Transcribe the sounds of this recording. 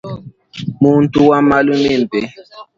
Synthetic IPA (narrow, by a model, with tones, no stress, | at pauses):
mu˦n˦tu˦wa˦ma˦lu˦me˦˨m̩˨pe˨